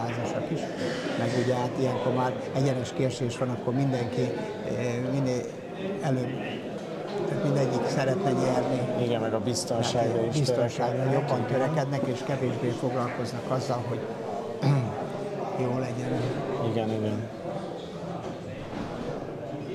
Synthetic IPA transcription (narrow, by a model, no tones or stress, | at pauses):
aːzoʃɒkiʃmɛɡuɟɛɦaːt̪ijɛŋko̞rmaːɾ | ɛɟɛnɛʃkeːrʃeːʃʋɒnɒkːo̞rmind̪ɛŋki | mind̪ | ɛløːb | t̪aːt̪mind̪ɛɟːiksɛɾɛt̪nɛjɛrniiɡɛnmɛɡɒbist̪onʃaibisonʃaːɡojo̞b̪ːɒnt̪øɾɛkɛd̪nɛkeːʃkɛveːʒbeːfo̞ɡlɒlko̞znɒkɒzːɒlɦo̞ɟ | joːlɛɟɛniɡɛniɡɛn